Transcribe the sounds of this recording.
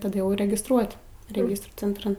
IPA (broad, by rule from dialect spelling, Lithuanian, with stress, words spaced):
tɐˈdɐ jɛʊ rʲɛɡʲɪsˈtruɔtʲ rʲɛˈɡʲɪstruː t͡sʲɛntˈrɐn